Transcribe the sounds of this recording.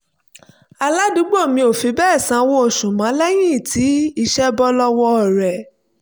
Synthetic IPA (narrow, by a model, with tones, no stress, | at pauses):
a˧la˦du˨˦ɡ͡bo˦˨mĩ˧o˨fi˧bɛː˦˨sã˨˧˦wo˦o˦˨ʃũ˨mã˨˦lɛ˦j̃ĩ˦˨tʰi˨˦i˧ʃɛ˦bɔ˦lɔ˦wɔ˧ɔ˨ɾɛ˨